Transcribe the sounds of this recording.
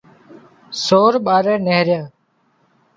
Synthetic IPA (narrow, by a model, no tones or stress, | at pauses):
soːɾɓaːɾɛːneɦɾjaː